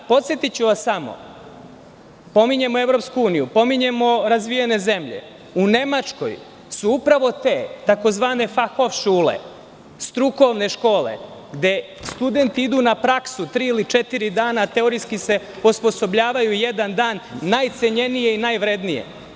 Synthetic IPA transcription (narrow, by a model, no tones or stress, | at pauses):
po̞t̪sje̞t̪it͡ɕuʋasamo̰ | po̞miɲe̞moe̞ʋɾo̞pskuuːnijupo̞miɲe̞mo̞ɾazʋijene̞ze̞mʎe̞̰ | une̞mat͡ʂko̞̰j | suupɾaʋo̞t̪e̞ːt̪ako̞zʋaːne̞faxofʃuːlḛ | st̪ɾuko̞ʋne̞ʃko̞ːlḛ | ɡd̪e̞ | st̪ud̪e̞nt̪iid̪unapɾaksut̪ɾiilit͡ʃet̪iɾid̪aːnaːt̪e̞oɾiskise̞ | ospo̞sobʎaːʋajujed̪and̪aːnːajt̪se̞ɲe̞nije̞inajʋɾed̪nijḛ